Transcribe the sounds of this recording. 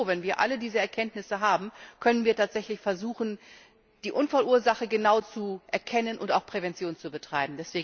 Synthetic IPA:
vɛnviːɐʔa̰lədiːzəɛɐkʰɛntnɪsəɦaːbm̩kʰœnənviːɐtʰaːtz̥ɛçlɪçfɛɐzuːxn̩ | d̥iːʔʊnfalʔuːɐzaχəɡənaʊt͡suʔɛɐkʰɛnənʔʊnta̰ʊxpʁ̥evɛnt͡sjoːnt͡subətʁ̥aɪbm̩dɛsv̥eː

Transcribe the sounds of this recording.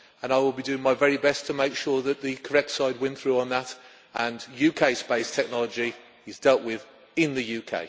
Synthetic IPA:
ə̃naɪwɪlˠbidʉɪ̃ŋmaɪvɛɹibɛstʰəmeɪkʃɔɹðəʔ̪̚ðɨkʰə˞ɛk̚tsaɪd̚wɪ̃nθɹʉə̃nðət | ə̃njʉkʰeɪspeɪstʰɛk̚nɒlˠəd͡ʒi | ɪzdɛlˠʔwɪð | ɪ̃nðɨjʉkʰḛɪ

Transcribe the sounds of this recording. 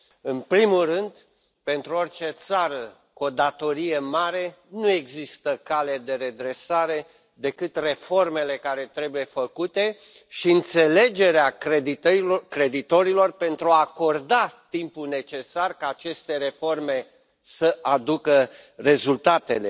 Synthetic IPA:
ɨnpɾimulrɨnd̪ | pe̞nt̪ɾuo̞rʲt͡ʃe̞t̪saɾə | kuod̪at̪o̞ɾijemaɾe̞nue̞ɡzist̪əkale̞d̪e̞ɾe̞d̪ɾe̞saɾe̞ | d̪e̞kɨt̪re̞fo̞rme̞le̞kaɾe̞t̪ɾe̞buje̞fəkut̪e̞ | ʃiɨnt̪se̞le̞d͡ʒe̞ɾeaikɾe̞d̪it̪o̞ɾilo̞rpe̞nt̪ɾuaːko̞rd̪at̪impune̞t͡ʃe̞sarkaːt͡ʃe̞st̪e̞ɾe̞fo̞rme̞ | səʔad̪ukəre̞zult̪at̪ele̞

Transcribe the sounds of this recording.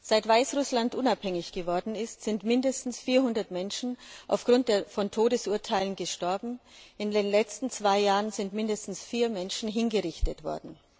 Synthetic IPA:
z̥aɪtv̥aɪsʁʊslantʔʊnaphɛŋɪçɡ̥əvɔɐdn̩ɪstz̥ɪntmɪndəstn̩sfiːɐɦʊndɐtmɛnʃn̩ʔaʊfɡ̥ʁʊnt̚d̥eːɐfɔntʰoːdəsʔuɐtʰaɪlənɡəʃtɔɐbm̩ɪndeːnlɛt͡stn̩t͡sv̥aɪjaːʁənzɪntmɪndəstn̩sfiːɐmɛnʃn̩ɦɪnɡəʁɪçtətv̥ɔ̰ɐdn̩

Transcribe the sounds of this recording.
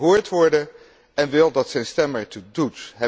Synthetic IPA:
ɦʊːɹtʋɔɹdə | ɛnʋɪlˠdɑtsɛjnstɛməɹtudutɦɛ

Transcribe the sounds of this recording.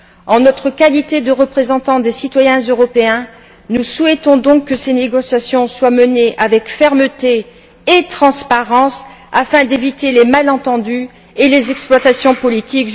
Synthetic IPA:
ɑ̃nɔt̪χəkalit̪ed̪əʁəpχezɑ̃t̪ɑ̃d̪esit̪wajɛ̃zøʁɔpeɛ̃ | nusuɛt̪ɔ̃d̪ɔ̃kːəseneɡɔsjasjɔ̃swaməneʔavɛkfɛʁmət̪eː | t̪χɑ̃spaʁɑ̃safɛ̃d̪evit̪elemalɑ̃t̪ɑ̃d̪y | elezɛksplwat̪asjɔ̃pɔlit̪ik

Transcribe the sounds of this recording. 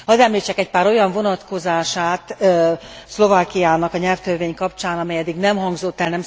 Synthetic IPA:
hɒzɛmlit͡ʃɛkɛc̚paːɾo̞jɒɱvo̞nɒt̪ko̞zaːʃaːt̪ | slo̞vaːkijaːnɒkɒɲɛlft̪ørveːɲkɒp̚t͡ʃaːnɒmɛjɛd̪ːiɡnɛmɦɒŋɡzot̪ːɛlnɛm

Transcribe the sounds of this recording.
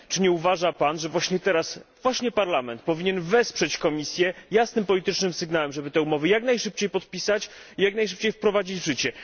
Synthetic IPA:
t͡ʂɘɲɛuvaʐapanʐɛvwaɕɲɛt̪ɛɾasv̥waɕɲɛpaɾlamɛnt̪̚pɔvʲiɲɛnvɛspʂɛt͡ɕkɔmʲisʲjɛjasnɘmpɔlʲit̪ɘt͡ʂnɘmsɘɡnawɛmʐɛbɘt̪ɛumɔvɘjaknajʂɘp̚t͡ɕejpɔt̪̚pʲisat͡ɕ | ijaknajʂ̬ɘp̚t͡ɕejfpɾɔvad͡ʑid͡ʑvʐɘt͡ɕɛ

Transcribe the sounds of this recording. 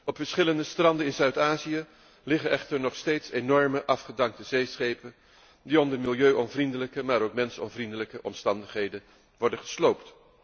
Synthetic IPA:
ɔpfəɹsχɪləndəstrɑndənɪnzœɥtaːziə | lɪχənʔɛχtəɹnɔχstejtsenɔɹməʔɑfχədɑŋk̚təzejsχejpən | diɔmdəmɪlˠjøɥʔɔnvrindələkəmaːɾowkmɛnsɔ̰mvrindələkəʔɔ̰mstɑndəχɦejdən | ʋɔɹdəχəslowpt

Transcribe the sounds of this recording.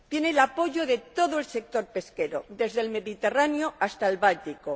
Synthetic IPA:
t̪jenelapo̞ʝo̞ðe̞t̪o̞ðoe̞lse̞k̚t̪o̞ɾpe̞ske̞ɾo̰d̪e̞zðe̞lme̞ðit̪e̞ranjoast̪aelβalt̪iko

